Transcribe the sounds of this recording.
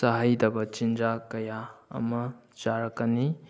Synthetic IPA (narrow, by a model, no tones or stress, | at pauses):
sɐɦajdɐbɐt͡ʃind͡ʒakɐjaɐ̰mɐ | d͡ʒaɾɐkːɐni